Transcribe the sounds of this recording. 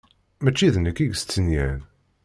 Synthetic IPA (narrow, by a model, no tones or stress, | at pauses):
mæt͡ʃːiðnəkːiɡst͡sːənjæn